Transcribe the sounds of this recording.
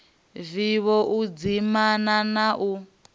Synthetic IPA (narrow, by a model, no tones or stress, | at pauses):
viβɔʔud͡zimananaʔu